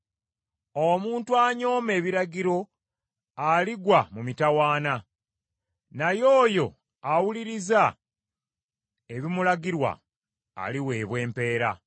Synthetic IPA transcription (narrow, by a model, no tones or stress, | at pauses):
omuːntuaɲo̞ːme̞ːβiɾaɟiɾo̞ | aliɡwamumitawaːna | najo̞ːjo̞ | awuliɾiza | e̞βimulaɟiɾwa̰ː | liwe̞ːβwe̞ːmpe̞ːɾa̰